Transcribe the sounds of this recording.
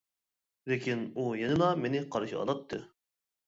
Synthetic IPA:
lekʲʰinujenɨlˠɑmenɪqʰɑɾɨʃiɑ̰lˠɑt̪ʰːɨ̰

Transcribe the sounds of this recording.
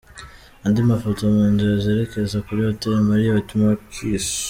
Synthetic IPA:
andimafotomunziɾazeːɾe̞ke̞zakuɾijoteɾemaɾijoβatumakʰiːs

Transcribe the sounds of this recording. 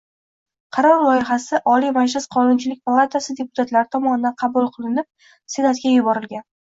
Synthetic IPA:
qʰɑɾɒɾlˠɒjɪχasɪʔɒlijmad͡ʒlɪsqʰɒnʊnt͡ʃʰɪlɪkʲpʰalˠat̪ʰasɪd̪e̞pʊ̥t̪ʰat̪laɾɪt̪ʰɒmɒnɪd̪anqʰɑbulˠqʰɨlˠɪnɪp̚ | senat̪kʲajʊbɒɾɪlɡʲan

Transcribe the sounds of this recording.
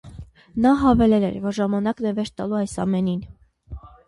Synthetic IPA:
nɑɦɑvɛlɛlɛ̰ɾvɔɾʒɑmɑnɑknɛvɛʃ̚t̪ɑluɑjsɑ̰mɛnin

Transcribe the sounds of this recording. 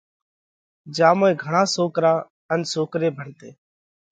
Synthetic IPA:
d͡ʒaːmoːẽːɡʱəɳãːsoːkɾaː | ənsoːkɾeːbʱəɳt̪ḛː

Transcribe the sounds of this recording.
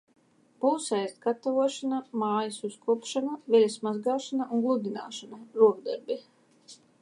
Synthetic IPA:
b̥uwsɛjzt̪ɡat̪avuɔʃanamaːjasuskuɔpʃanavɛlʲasmazɡaːʃanaʔuŋɡlˠud̪ʲina̰ːʃanaɾuɔɡd̪aɾbi

